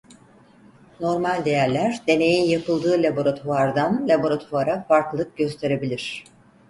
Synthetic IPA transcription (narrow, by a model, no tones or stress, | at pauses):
no̞ɾmalʲd̪e̞jæɾlʲæɾd̪e̞ne̞jinjapʰɯlˠd̪ɯːlʲabo̞ɾat̪ʰuaɾd̪anlʲabo̞ɾat̪ʰuaɾafaɾklˠɯk̚ɟø̞st̪ʰe̞ɾe̞bilʲiɾ̝̥